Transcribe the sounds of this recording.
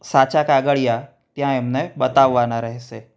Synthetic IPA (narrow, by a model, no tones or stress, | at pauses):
sat͡ɕakaɡəɭja | t̪jãemnebət̪aʋːanaɾəɦse